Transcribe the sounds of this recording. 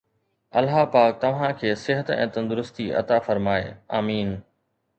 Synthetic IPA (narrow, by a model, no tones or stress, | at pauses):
ɐlɦapaːk̚t̪ɐʋ̤ãkʰeːsɪɦət̪ɛ̰̃ːt̪ɐ̃nd̪ʊɾʊst̪iʔɐ̰t̪afɐɾmaːḛaːmiːn